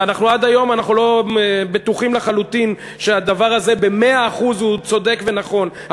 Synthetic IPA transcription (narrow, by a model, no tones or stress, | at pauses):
anaχnuad̪ajo̞manaχnulo̞be̞t̪uχimleχalut̪in | ʃead̪avaʁaze̞be̞me̞aːχuzhut͡so̞d̪e̞kve̞naχo̞nh